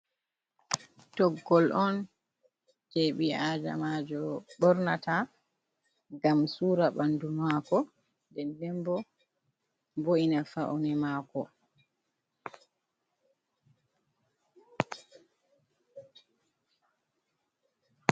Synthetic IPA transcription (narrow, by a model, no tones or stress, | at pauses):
tɔɡːɔlʔɔn | d͡ʒeɓiaːd͡ʒa̰maːd͡ʒɔɓɔɾnata | ŋɡamsuːɾaɓandumaːkɔ | dɛndɛmbɔ | boinafa̰ʔunɛmaːkɔ